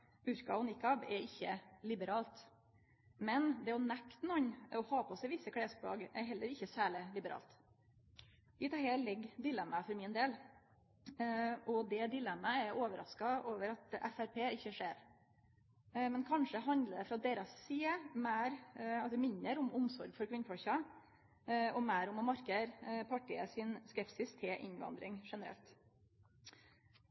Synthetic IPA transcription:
ʉɾkɑ̰ɔnɪkɑbɛɾɪçːəlɪbəɾɑːlt̪ | mɛnd̪ɛɔnækt̪nɔɲɔhɑːpʰɔsɛɪʋɪsːəkʰɽeːsblɑ̰ːɡɛɾɦɛlːəɾɪçːəsæːɭɪlɪbəɾɑ̰ːlt̪ | ɪt̪ʰɑheːlɛɡːd̪ɪlɛmːəfɔɾmɪnd̪eːl | ʔɔd̪ɛd̪ɪlɛmːəɛoːʋəɾɑ̰skɑʔoːʋəɾɑt̪ɛ̰fæɾpʰeːɪçːəʂeːɾ | mɛnkʰɑnʂəɦɑnd̪ləɖ̪ɛfɾɑːt̪̚d̪eːɾɑsːiːəmæːɾɑmɪnːəɾʊmʊmsɔɾɡfɔɾkʰʋɪnːəfʰɔçɑ | ɔmæːɾʊmɔmɑɾkəɾpʰɑʈɪə̰sɪnskɛpsɪst̪ʰɪʔɪ̰ɲʋɑ̰nd̪ɾɪŋʂɛnəɾɛ̰lt̪

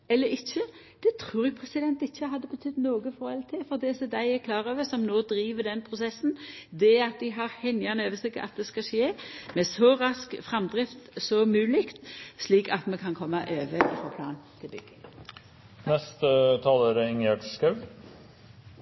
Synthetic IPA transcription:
ɛlːəɾɪçːə | d̪̥ɛt̪ʰɾuːɾʊɡpʰʁɛsɪd̪ɛnt̪ɪçːəɦɑd̪ːəbət̪ʰʏd̪ːnoːɡəfɔɾhɛlt̪ʰɪfɔʁd̪eːsɔd̪æɪækʰlɑːʁøːʋəsɔmnoːd̪ɾiːʋəd̪ɛnpʰʁʊsɛsːn̩d̪ɛɑt̪̚d̪ɪɪɦɑʁhɛnːɪɑnəøːʋəsɪɡɑ̰t̪̚d̪ɛskɑʃeːmɛsɔɾɑskfɾɑmd̪ʁɪft̪sɔmʉːlɪkt̪sliːkɑt̪mɛkʰɑnkʰɔmːɑʔøːʋəɔ̰fɔːpʰlɑ̰ːnt̪ʰɪlbʏɡ̥ə | nɛst̪ət̪ʰɑːləɾəɪŋɛʈskɑʉ

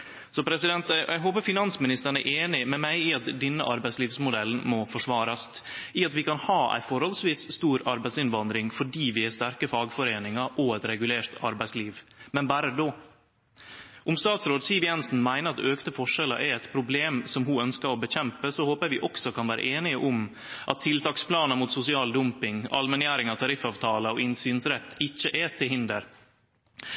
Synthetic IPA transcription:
sɔpʰɾɛsɪd̪ɛnt̪jɛɦoːpəfɪnɑnsmɪnɪst̪əɳɛ̰ʔeːnɪmɛmæɪɪɑt̪d̪ɛnːəʔɑɾbæɪsliːʋsmʊd̪ɛln̩mɔfɔʂʋɑːɾɑst̪ | ɪɑt̪ʋɪkɑnhɑːʔæ̰ɪfɔɾhɔlsʋiːsst̪uːɾɑɾbæɪsɪnʋɑnd̪ɾɪŋfɔɖiːʋɪhæst̪æɾkəfɑːɡfɔɾeːnɪŋɑʔɔɛt̪ɾɛɡʉleːɾt̪ʰɑɾbæɪsliːʋmɛnbæːɾəd̪oː | ʔʊmst̪ɑːt̪sɾoːd̪siːʋɪjɛnsn̩mæɪnəɾɑt̪øːkt̪əfɔʂɛlə̰ʔæɛt̪pʰɾʊbleːmsɔmɦuœnskəɾɔːbəçɛmpəsɔhoːpəɾʋɪːʔɔksɔkʰɑnʋæːɾʔə̰ʔeːnɪəʔʊm | ʔɑt̪ʰːɪlt̪ʰɑːkspʰlɑːnəmuːt̪sʊsɪɑːld̪ʊmpɪŋɑ̰lmɛnjæːɾɪŋɑt̪ʰɑɾɪfɑːʋt̪ʰɑːləɔɪnsyːnsɾɛt̪ːɪçːəʔɛt̪ʰɪlhɪnd̪ə̰ɾ

